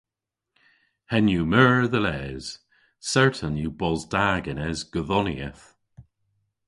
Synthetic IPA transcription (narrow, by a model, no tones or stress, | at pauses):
hɛnjumɜːɹðəlɛz̥ | sɛɹtʰənjubɔzdaɡənɛzɡ̥əðɔniəθ